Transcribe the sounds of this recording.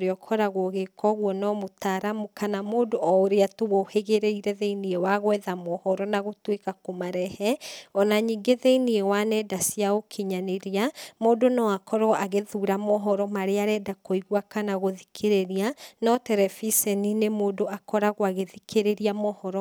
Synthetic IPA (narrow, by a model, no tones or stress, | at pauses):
ɾeɔkʰɔɾaɣoɣekʰɔɣwɔnɔmotaɾamukanamoːdoʔɔoɾeatoɣoheɣeɾeiɾɛðeiniɛwaɣwɛðamɔhɔɾɔnaɣotwekakomaɾɛhɛɔnaɲiːŋɡeðeiniewanɛdasiaokʰeɲaneɾiamoːdonɔakʰɔɾɔʔaɣeðuɾamɔɦɔɾɔmaɾeaɾɛdakoiɣwakanaɣoðikʰeɾeɾianɔtɛɾɛfisɛninemoːdoakɔɾaɣoaɣeðikʰeɾeɾiamɔhɔɾɔ